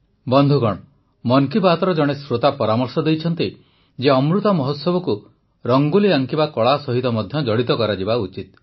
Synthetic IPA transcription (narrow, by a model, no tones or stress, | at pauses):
bɔnd̪ʱuɡɔɽ̃ɔ | mɔŋkibat̪ɔɾɔd͡ʒɔɽ̃esɾot̪apɔɾamɔɾsɔd̪ejt͡ʃʰɔnt̪i | d͡ʒeɔmɾut̪ɔmɔɦɔt̪sɔbɔku | ɾɔŋɡuliaŋkibakɔɭasɔɦit̪ɔmɔd̪ʱjɔd͡ʒɔɽit̪ɔkɔɾad͡ʒibaut͡ʃit̪̚